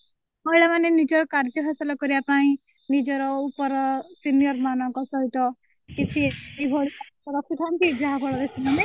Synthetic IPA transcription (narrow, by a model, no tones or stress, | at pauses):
ɔjɭamanenid͡ʒɔɾɔkaɾd͡ʒɔɦʰasalɔkɔɾiapaĩ | nid͡ʒɔɾɔupɔɾɔsinijɔɾmanʌkɔsɔɦit̪ɔ | kit͡ʃʰiibʱoɽiasɔɾɔksiʈ̪ʰamkid͡ʒaɦãbʱɔɭɔɡesimane